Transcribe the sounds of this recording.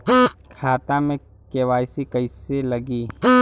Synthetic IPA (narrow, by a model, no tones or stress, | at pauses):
kʰaːt̪ãmẽ | keːwaːɪsikɐɪselɐɡiː